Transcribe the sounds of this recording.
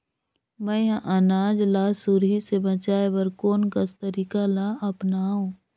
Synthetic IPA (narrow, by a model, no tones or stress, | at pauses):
mɛ̃ʔənaːd͡ʒlasuɾɦisebət͡ʃaːebəɾkoːnkɐst̪əɾiːkalaʔɐpnaːõː